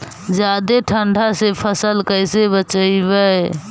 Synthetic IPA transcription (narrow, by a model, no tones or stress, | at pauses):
d͡ʒad̪eʈʰəɳɖʱasepʰəsəlkəjsebət͡ʃəɪbə